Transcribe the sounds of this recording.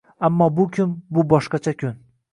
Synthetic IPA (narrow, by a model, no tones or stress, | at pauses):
amːɒbʊkʲʰʊmbʊbɒʃqɑt͡ʃʰakʲʰʊn